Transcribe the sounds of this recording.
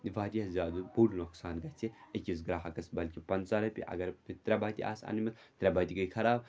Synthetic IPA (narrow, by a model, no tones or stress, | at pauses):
nʋaːd̪ʲiɐzʲaːd̪ubuːlnoksaːnɡɐt͡sʲʰiɐkʲis̬ɡɾaːɦɐkɐsbɐlkʲipɐnzaɾɐpʲḭʔɐ̰ɡɐɾit̪ɾʲɛbaːt̪ʲḭʔa̰ːsɐ̰nmɐt̪ | t̪ɾʲɐbaːt̪ʲiɡɐjkʰɐɾaːb